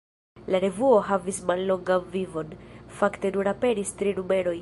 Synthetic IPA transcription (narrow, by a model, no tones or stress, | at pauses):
laɾe̞vuo̞ɦavismalːo̞ŋɡanvivo̞nfakte̞nuɾape̞ɾistɾinume̞ɾo̞j